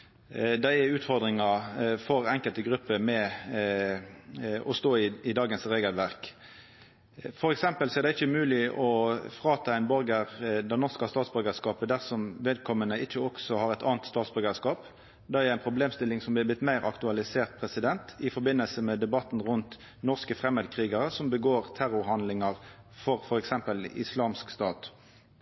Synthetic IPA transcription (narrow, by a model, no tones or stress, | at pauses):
d̪æɪæʉːt̪fɔʁd̪ʁɪŋɑfɔɾɛŋkəlt̪əɡʁʉpːəmɛ | ɔst̪oːɪɪd̪ɑːɡənsʁeːɡəlʋæʁk | fɔɾɛksɛmpəlsɔæʁd̪æɪɪçːəmʉːlɪʔɔfʁɑːt̪ʰɑæɪnbɔɾɡəʁd̪ɛnɔʁskɑst̪ɑːt̪sbœɾɡəskɑːpəd̪æʁsɔmʋeːd̪kʰɔmːənəɪçːəɔksɔhɑʁɛt̪ɑ̰ːnt̪st̪ɑːt̪sbʏʁɡəskɑːp | d̪ɛæɾæɪnpʰɾʊbleːmst̪ɪlːɪŋsɔmblɪblɪt̪mæɪɾɑ̰kt̪ʉɑlɪseːʁt̪̚pʰɾɛsɪd̪ɛnt̪ɪfɔɾbɪnːəlsəmɛd̪ɛbɑt̪ːn̩ʁʊnt̪ | nɔʁskəfʁɛmhəd̪kʰʁiːɡəʁəsɔmbəɡoːʁt̪ʰæɾʊɾhɑnd̪lɪŋɑʁ | fɔʁfɔɾɛksɛmpəlɪ̰slɑːmskst̪ɑːt̪